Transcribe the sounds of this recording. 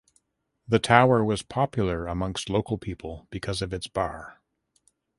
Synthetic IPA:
ðɨtʰaʊə˞wʌz̥pʰɑpʰjl̩ˠə˞əmʌ̃ŋkstˡloʊkl̩ˠpʰipʰl̩ˠb̥ɨkʰʌzʌvɨtsb̥ɑɹ

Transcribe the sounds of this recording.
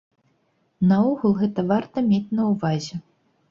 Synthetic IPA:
nɐɔɣulˠɣɛt̪ɐvart̪ɐmʲet͡sʲnɐwvazʲɛ

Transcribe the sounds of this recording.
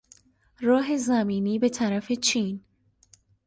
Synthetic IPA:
ɾɒːɦe̞zæmiːniːbe̞t̪ʰæɾæfe̞t͡ʃʰiːn

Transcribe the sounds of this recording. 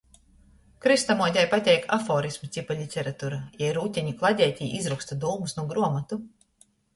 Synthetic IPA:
kɾist̪amɔd̪ʲajpat̪ʲɛjkafɔːɾismut̪sipalʲit̪ʲɛɾat̪uɾajajɾuːt̪ʲɛɲʲiklˠad̪ʲɛːt̪ʲiːizɾukst̪ad̪uːmusnuɔɡɾuɔmat̪u

